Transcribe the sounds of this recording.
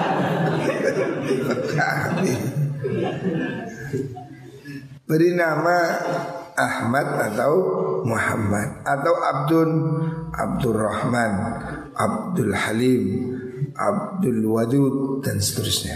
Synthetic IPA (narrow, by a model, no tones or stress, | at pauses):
bakʰaa̰bi | bəɾinama | ʔːhmad̪̚at̪awmuħa̰mːad̪̚at̪awʔab̚dʊnʔa̰b̚dʊrahman | ʔa̰b̚dʊlhalim | ʔa̰b̚dʊlwad̪ud̪̚dansə̥t̪əɾʊsɲa